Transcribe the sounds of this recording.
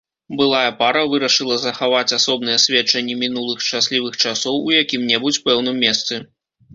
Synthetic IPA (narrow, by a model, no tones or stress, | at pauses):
bɨlˠajɐpaɾɐvɨɾɐʂɨlˠɐzɐxavat͡sʲasɔb̚n̪ɨjɐsʲvʲɛt͡ʂɐnʲːimʲin̪ulˠɨxʂt͡ʂasʲlʲivɨxt͡ʂasɔwujakʲimnʲɛbut͡sʲpɛwnɨmʲːɛst̪sɨ